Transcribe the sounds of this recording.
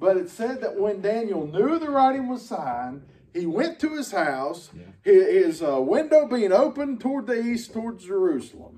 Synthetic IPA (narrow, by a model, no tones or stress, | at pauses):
b̥ʌɾɨtsɛd̪̚ðɨʔ̚wə̃ndæ̃njl̩ˠnjʉðɨɹaɪɾɪ̃ŋwʌz̥sãɪ̃n | iwɛ̃ntʰɨɨz̥haʊshɪɪzwɪ̃ndoʊbiɪ̃ŋoʊpɨ̃ntʰɔɹd̪̚ðiistʰɔɹdzd͡ʒə˞ʉsl̩ˠə̰̃m